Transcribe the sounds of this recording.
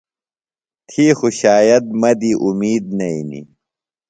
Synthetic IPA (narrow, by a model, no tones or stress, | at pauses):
t̪ʰiːxuɕaːjɐt̪̚mɐd̪iʔumiːd̪̚nɐinḭ